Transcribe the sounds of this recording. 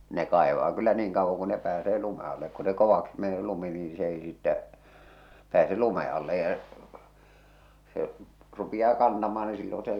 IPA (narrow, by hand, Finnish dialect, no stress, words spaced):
ne kɑˑeʋɑː kylːæ niːŋ kɑuʋːoŋ ku ne pæːseː lume ɑlːek ku se koʋɑksi mene lumi niːĩ s ei sitːæ pæːse lume ɑlːe jɑ se rupij̆ɑː kɑntɑmɑː ni silːon̞ se